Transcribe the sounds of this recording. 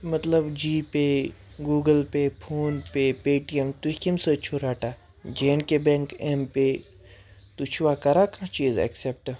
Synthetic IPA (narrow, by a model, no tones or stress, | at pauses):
mɐt̪ləbd͡ʒiːpe | ɡuːɡəlpepʰoːnpepeːʈiemt̪ukimsət͡ʃʰuɾaːʈa | d͡ʒeːnkebẽŋkempe | t̪ut͡ʃʰʋakɐɾakʰãt͡ʃiːzɛ̰ksep̚ʈ